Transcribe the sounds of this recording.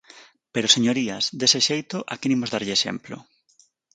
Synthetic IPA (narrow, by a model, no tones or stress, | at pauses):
peɾoseɲoɾiazd̪eseʃejt̪ʊʔakenimʊzðaɾʎɪːʃḛmplo̰